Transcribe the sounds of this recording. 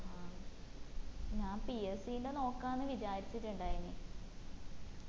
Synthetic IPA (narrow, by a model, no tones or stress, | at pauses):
haː | ɲaːmpiesijindeno̞ːkːaːnːɨʋit͡ɕaːɾit͡ɕːitːuɳɖaːjini